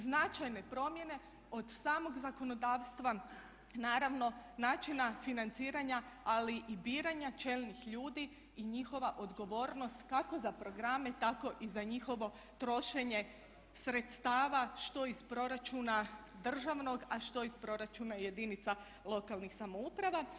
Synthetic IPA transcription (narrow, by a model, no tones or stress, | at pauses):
znat͡ʃajne̞pɾo̞mje̞ne̞ | od̪saːmo̞ɡzako̞no̞d̪aːʋst̪ʋa | naːɾaʋno̞naːt͡ʃinafinant̪siːɾaɲaaliʔibiːɾaɲat͡ʃe̞lnixʎuːd̪i | iɲixo̞ʋaʔo̞d̪ɡo̞ʋo̞ːɾno̞st̪kako̞zapɾo̞ɡɾame̞t̪ako̞ʔizaɲixo̞ʋo̞ | t̪ɾo̞ʃe̞ɲe̞ | sɾe̞t̪st̪aːʋaʃt̪o̞ispɾo̞ɾat͡ʃuna | d̪r̩ʒaʋno̞ɡaʃt̪o̞ispɾo̞ɾat͡ʃunaje̞d̪init̪sa | lˠo̞kalˠnixsamoupɾaʋa